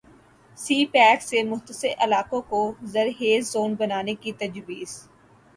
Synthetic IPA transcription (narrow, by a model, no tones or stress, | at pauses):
siːpɛːksemʊɦt̪əsɪɾʔɐlaːkõkozɐɾɦeːzːoːnbɐnaːnekit̪ɐd͡ʒbiːs